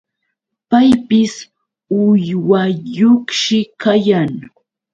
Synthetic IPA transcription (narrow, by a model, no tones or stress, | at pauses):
pajpɪs | ʊjwaʎoχʃɪkajaŋ